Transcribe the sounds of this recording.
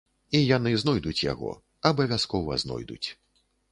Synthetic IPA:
ijan̪ɨznɔjd̪ut͡sʲja̰ɣɔ̰ | ɐbɐvʲaskɔvɐ̰znɔ̰jd̪ṵt͡sʲ

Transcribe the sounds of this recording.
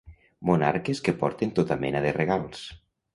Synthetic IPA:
muna̰ɾkeskepɔɾt̪ent̪ot̪amɛ̰naðereɣalˠs

